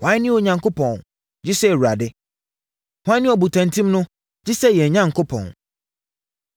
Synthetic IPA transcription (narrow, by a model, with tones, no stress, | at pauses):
hã˦nɪ̃˦o˨ɲã˨ŋkʰo˦pʰɔ̃˨n | d͡ʑi˦sɛ˦˨wu˨ɾa˨dɪ˦ | hʷã˦nɪ̃˦ɔ˨bu˨tʰã˨ntʰĩ˦mnʊ̃˦ | d͡ʑi˦sɛ˦jɛ˨ɲã˦ŋkʰo˦pʰɔ̰̃˨n